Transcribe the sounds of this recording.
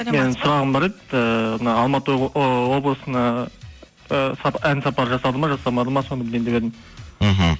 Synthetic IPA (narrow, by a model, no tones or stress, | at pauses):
me̞nsʊɾɑʁəmbɑɾed̪əmənɑːlˠmɑt̪əwo̞blˠəsənɑ | əsɑænsɑpɑɾəʒɑsɑd̪əmɑʒɑsɑmɑd̪əmɑsonbɪld̪end̪ebe̞d̪ɪm | ɦ